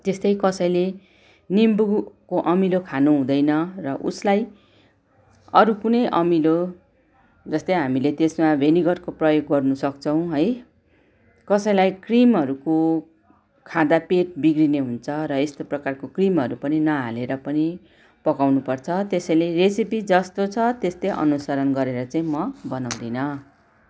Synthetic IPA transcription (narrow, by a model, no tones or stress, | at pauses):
t̪est̪ʌjkʌsʌjle | nimbukoʔʌmilokʰanoɦũd̪ʌjnʌrʌʔṵslaj | ʌɾukunʌjʔʌmilo | d͡zʌst̪ʌjɦamilet̪esmabʱeniɡʌrkoprʌjoɡɡʌrnusʌkt͡sʰʌw̃ɦʌj | kʌsʌjlajkrimɦʌɾuko | kʰãd̪apeʈ̚biɡɾineɦunt͡sʰʌɾʌest̪oprʌkarkokrimɦʌɾupʌninʌɦaleɾʌpʌni | pʌkawnupʌrt͡sʰʌt̪esʌjleresipid͡zʌst̪ot͡sʰʌt̪est̪eʔʌ̰nusaɾʌnɡʌɾeɾʌt͡saĩmʌbʌnaw̃d̪inʌ